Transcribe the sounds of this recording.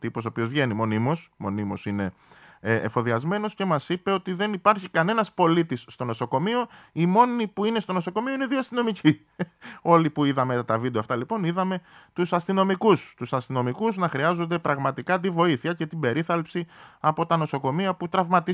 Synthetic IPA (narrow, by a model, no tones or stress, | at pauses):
t̪ipos̬opio̞zvʝe̞nimo̞nimo̞smo̞nimo̞sine̞̰ː | fo̞ðiɐzme̞no̞sce̞mɐsipe̞o̞t̪iðe̞nipɐɾçikɐne̞nɐspo̞lit̪isːt̪o̞no̞so̞ko̞mio̞imo̞nipuine̞st̪o̞no̞so̞ko̞mioineðioɐst̪ino̞mici | o̞lipuiðɐmet̪ɐt̪ɐvid̪eoft̪ɐlipo̞niðɐme̞t̪usɐst̪ino̞mikust̪usɐst̪ino̞mikuznɐxɾiɐzond̪e̞pɾɐɣmɐt̪ikɐt̪̬ivo̞iθiɐce̞t̪ibe̞ɾiθɐlpsiɐpo̞t̪ɐno̞so̞ko̞miɐput̪ɾɐvmɐt̪i